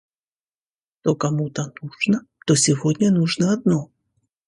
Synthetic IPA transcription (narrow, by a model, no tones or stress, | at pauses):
t̪okɐmut̪ənuʐnə | t̪osʲɪvodʲnʲənuʐnəɐd̪no